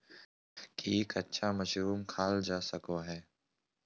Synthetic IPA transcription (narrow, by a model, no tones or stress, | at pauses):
kikətːʃʰaːməʃɾuːmkʰaːld͡ʒaːsəkoɦɛː